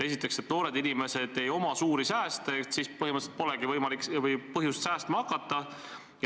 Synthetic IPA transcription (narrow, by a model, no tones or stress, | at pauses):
e̞sit̪ːˑe̞kset̪noːɾe̞d̪inime̞se̞d̪̥e̞jo̞mɑsuːɾisæːst̪et̪sispɤɦhimət̪set̪po̞leɡ̥ivɤjmɑlikvɤjpɤɦjust̪sæːst̪mɑkːˑɑt̪ːˑɑ